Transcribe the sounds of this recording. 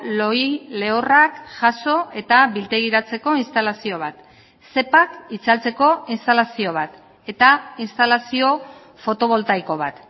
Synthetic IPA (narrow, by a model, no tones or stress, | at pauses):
lo̞jle̞orakʝaso̞e̞t̪aβilt̪e̞ɣ̞iɾat͡se̞ko̞inst̪alasio̞βat̪ | se̞pakit͡salt͡se̞ko̞inst̪alasio̞β̞at̪ | e̞t̪ainst̪alasio̞ | fo̞t̪o̞β̞o̞lt̪ajkoβ̞a̰t̪